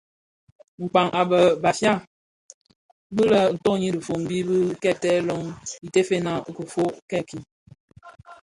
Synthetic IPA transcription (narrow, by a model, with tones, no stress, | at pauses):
ŋ͡m̩˨k͡pa˨ŋʔa˨bə˨ba˨fja˦ | bɨ˦lə˦˨n̩˨tɔ˦˨ɲi˦də˨fo˨m˨bi˦bi˦kɛ˦tɛ˦lɔ˦ŋi˨te˦fe˦na˦˨kə˨fo˦kɛ˦ki˨